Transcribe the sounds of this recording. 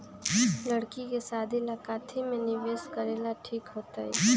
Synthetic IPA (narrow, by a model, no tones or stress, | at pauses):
lɐɽkikesaːd̪ʱilakaːt̪ʰimẽnɪʋeːskɐɾeːlaʈʰiːkɦoːt̪aɛ̰